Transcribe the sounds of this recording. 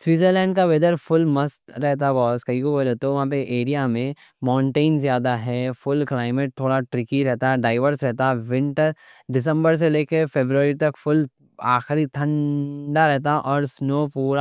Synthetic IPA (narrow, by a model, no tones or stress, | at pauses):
swiːzəɾlɛ̃ːɳɖkaʋed̪əɾfʊlmɐst̪ɾɛɦt̪̬aɦbɔːskɐɦikobolet̪oʋɐɦãpeʔeːɾijamẽ | mãːɳʈeːnzjaːd̪aɦɛːfʊlklaːɪmeʈ̚t̪ʰoːɽaʈɾɪkiɾɛɦt̪aɛɖaːɪʋəɾsɾɛɦt̪aɦɛʋɪ̃ɳʈəɾ | ɖɪs̬ə̃mbəɾs̬eleːkefeːbɾuəɾit̪ɐkfʊl | aːxɾit̪ʰɐ̃ɳɖaɾɛɦt̪aʔɔːɾsnoːpuːɾa